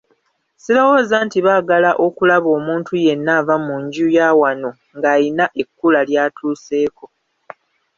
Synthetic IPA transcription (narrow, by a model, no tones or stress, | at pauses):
silawo̞ːzaːntiβaːɡalaʔo̞kulaβo̞ːmuːntʰuje̞nːaːvamuɲɟujaːwano̞ | ŋɡaːjinaʔe̞kːulaljaːtʰuːse̞ːko̞